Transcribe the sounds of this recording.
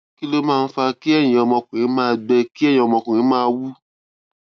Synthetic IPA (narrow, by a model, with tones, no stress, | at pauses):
ki˦lo˦mãː˦˧n̩˦fa˧ki˦ɛ˦˨j̃ĩ˨ɔ˧mɔ̃˧kũ˨ɾĩ˨˦mãː˦˧ɡ͡bɛ˧ki˦˨jĩ˨ɔ˧mɔ̃˧kũ˨ĩ˨˦mãː˦˧wu˦